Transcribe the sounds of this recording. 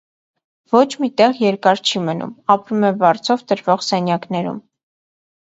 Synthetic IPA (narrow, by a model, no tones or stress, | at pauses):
vɔt͡ʃʰmit̪ɛʁjɛɾkɑɾt͡ʃʰimənṵmɑpɾumɛvɑɾt͡sʰɔvd̪əɾvɔʁsɛnjɑknɛɾṵm